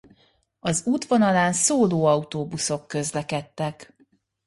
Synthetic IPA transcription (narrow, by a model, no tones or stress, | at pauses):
ɒzuːt̪ʋonɒlaːnsoːloːɒut̪oːbuso̞kːø̞zlɛkɛt̪ːɛk